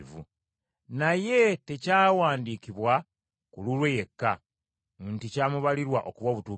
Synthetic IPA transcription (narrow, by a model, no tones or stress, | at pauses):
vṵ | naje̞te̞caːwaːndiːkiβwa | kululweje̞kːa | nticaːmuβaliɾwaʔo̞kuβwaβutuː